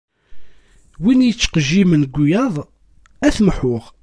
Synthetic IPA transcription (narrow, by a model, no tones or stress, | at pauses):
winjət͡sːqəʒimənɡʷːujɑðˤ | æθməħʊʁ